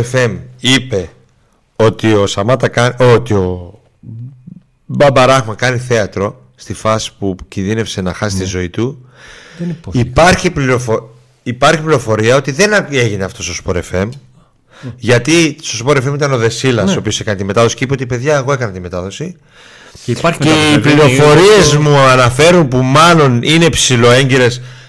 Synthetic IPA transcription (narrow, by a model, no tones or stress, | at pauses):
efe̞mipe̞ | o̞t̪io̞sɐmɐt̪ɐkɐnot̪io̞ | bɐbɐɾɐɣmɐkɐniθe̞ɐt̪ɾo̞ | st̪ifɐsi̥pucinðine̞fse̞nɐxɐsist̪izo̞it̪u | ipɐɾçipliɾofo | ipɐɾçipliɾo̞fo̞ɾiɐo̞t̪iðe̞ne̞ʝine̞ɐft̪o̞st̪ospoɾe̞fe̞m | ʝɐt̪ist̪o̞spo̞ɾe̞fe̞mit̪ɐno̞ðe̞silɐst̪sso̞piose̞kɐnit̪ime̞t̪ɐðo̞si̥ceipeot̪ipe̞ðʝɐeɣo̞e̞kɐnɐt̪ime̞t̪ɐðo̞si | eipliɾo̞fo̞ɾie̞zmuɐnɐfe̞ɾunpumɐlo̞nine̞psilo̞e̞ɲɟeɾe̞s